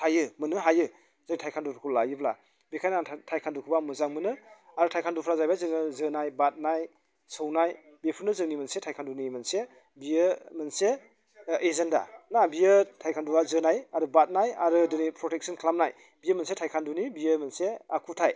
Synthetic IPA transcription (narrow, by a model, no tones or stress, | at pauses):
tʰajɯmɯnɯɦajɯ | zɯŋnitʰajkʰanduɾʰukʰulajɯbla̰ | bikʰajnatʰajkʰandukʰɯbamɯzaŋmɯnɯaɾɯtʰajkʰandupʰɾazajbazɯŋɯzɯnajbat̚naj | sownaj | bipʰuɾnɯzɯŋnimɯnsetʰajkʰandunimɯnse | bijɯmɯnse | ezenda̰nabijɯtʰajkʰanduɾazɯnajaɾɯbat̚najaɾɯdɯnipʰɾɔtek̚sʰɔnkʰlamnaj | bijəmɯnsetʰajkʰandunibijɯmɯnsea̰kʰutʰaj